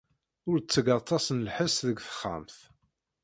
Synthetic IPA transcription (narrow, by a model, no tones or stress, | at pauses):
ʊɾt͡sːəɡɑt̪ˤːɑsnlħəsðəɡθə̥χːa̰mθ